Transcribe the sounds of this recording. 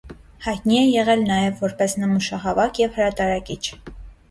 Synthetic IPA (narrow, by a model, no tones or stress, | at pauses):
hɑjt̪̚niɛjɛʁɛlnɑjɛvːɔɾpɛsnəmuʃɑɦɑvɑkjɛvhəɾɑt̪ɑɾɑkit͡ʃʰ